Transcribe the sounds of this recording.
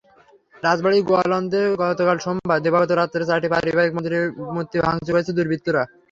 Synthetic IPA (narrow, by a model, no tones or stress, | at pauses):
ɾad͡ʑbaɭiɡoalɔnd̪eɡɔt̪okalʃombʱad̪ebʱat̪oɾat̪ːeɾesaʈipaɾibaek̚mod̪ʱɾemot̪ːibʱaŋt͡ɕokoet͡ɕʰed̪uɾbʱit̪ːoɾa